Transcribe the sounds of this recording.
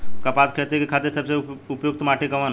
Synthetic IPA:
kəpatkʰet̪ekekʰat̪eɾsəbseupjoɡ̚t̪maʈʰikəʋən

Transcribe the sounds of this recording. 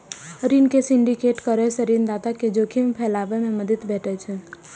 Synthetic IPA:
ɾinkesɪ̃ɳɖikeʈkəɾɛseɾind̪aːt̪aked͡ʒokʰimẽpʰɛlaːʋemẽməd̪ət̪bɛːʈʰɛt͡ʃʰɛ

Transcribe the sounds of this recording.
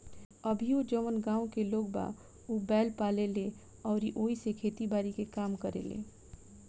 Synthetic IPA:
əbʱiod͡ʒəʋənɡãːõkeloːɡ̚ba̰ː | obɛːlpaːlele | ɔːɾiʔoːisekʰeːt̪ibaːɾikekaːmkəɾḛlḛː

